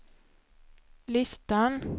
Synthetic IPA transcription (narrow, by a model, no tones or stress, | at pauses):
lɪst̪an